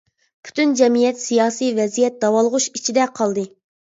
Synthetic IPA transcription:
pʰy̥t̪ynd͡ʒɛmijɛt̪sijɑːsijvɛzijɛt̪̚d̪ɑwɑlˠʁʊʃit͡ʃʰid̪ɛqʰɑlˠd̪ɨ

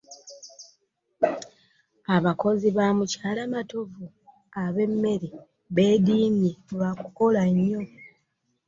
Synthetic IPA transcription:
aβako̞ziβamucaːlamato̞vu | aβe̞mːe̞ɾi | βe̞ːdiːmiβakuko̞laɲːo̞

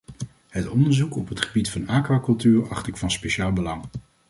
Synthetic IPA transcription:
ɦətɔndəɹzukɔpɦətχəbitfɑnaːkʋaːkɵlˠtyːɹɑχtɪkfɑnspeʃaːlˠbəlɑŋ

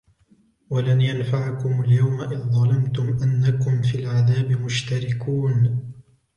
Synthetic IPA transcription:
walanjanfaʕakʊmaljawmaʔɪððˤɑlamt̪ʊmʔanːakʊmfiːlʕaðaːbɪmʊʃt̪aɾɪkuːn

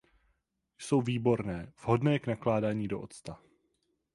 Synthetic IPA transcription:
jso̞wviːbo̞ɾnɛːv̥ɦo̞dnɛːknaklaːdaːɲiːdo̞ʔot̪st̪a

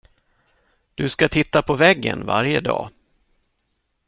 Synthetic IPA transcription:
d̪̥ɵskat̪ʰɪt̪ːapʰɔvɛɡːə̰nva̰ɾjəd̪ɑ̰ː

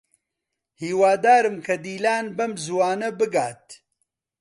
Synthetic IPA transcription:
hiːwaːd̪aːɾɨmkʰɐd̪iːlaːnbɐmzuwaːnɐbɨɡaːt̪̚

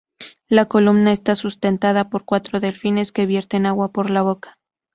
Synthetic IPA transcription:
lako̞lumnae̞st̪asust̪e̞nt̪aðapo̞ɾkwat̪ɾo̞ðe̞lfine̞ske̞βje̞ɾt̪e̞naɣwapo̞ɾlaβ̞o̞kḁ

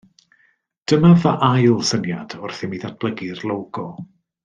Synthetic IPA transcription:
d̥əmavaʔajlˠsənjad̥ʊrθimiːðat̚b̥lˠəɡirlˠowɡ̥ɔ

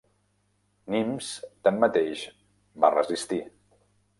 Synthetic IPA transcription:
nimst̪anːət̪eʃ | ba̰rəzist̪i

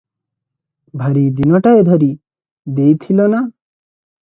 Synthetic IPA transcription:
bʱaɾid̪inɔʈaed̪ʱɔɾi | d̪ejt̪ʰilona

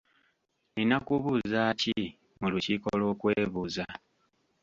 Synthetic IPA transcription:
ninakuβuzaci | mulucikolo̞ːkwe̞ːβuza

